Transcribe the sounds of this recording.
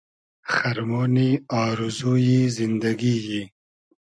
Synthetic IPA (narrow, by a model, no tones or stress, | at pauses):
xaɾmoːniɑːɾuzujizɪnd̪aɡiji